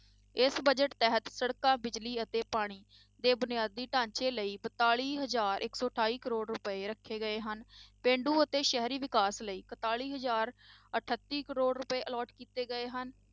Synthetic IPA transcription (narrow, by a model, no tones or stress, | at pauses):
ɪsbəd͡ʒəʈt̪ɛɦət̪səɽkãːbɪd͡ʒliːət̪eːpaːɽ̃iː | d̪eːbʊnɪjaːd̪ːiːʈãːɲt͡ʃeːləiːpət̪aːɭiːɦəzaːɾʔɪksɔːəʈʰaːiːkəɾoːɽɾʊpəeːɾəkʰːeːɡəeːɦənpẽːɳɖuːət̪eːʃɛɦɾiːʋɪkaːsləiːkət̪aːɭiːɦəzaːɾəʈʰət̪ːiːkəɾoːɽɾʊpəeːʔəlɔːʈkiːt̪eːɡəeːɦən